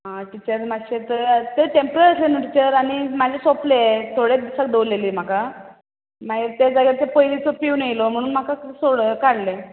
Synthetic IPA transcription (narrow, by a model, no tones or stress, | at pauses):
ɦãʈ̪it͡ɕəɾmaɕet̪əɾt̪eʈempɾəɾəslenoʈit͡ɕəɾaɽ̃imad͡ʑʱesoplet̪ʰoɽed̪əsak̚d̪eleliːm̤aka | maiɾt̪ad͡zaɡaɾt͡sepojlit͡sopiunejlom̤əɽ̃uːnm̤akasoɽkaɽle